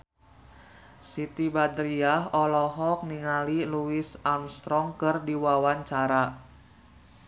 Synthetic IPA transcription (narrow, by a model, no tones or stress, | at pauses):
sit̪ibad̪ɾiaɦɔlɔɦɔk̚niŋaliluisamst̪ɾɔŋkɨrdiwawaɲt͡ʃaɾa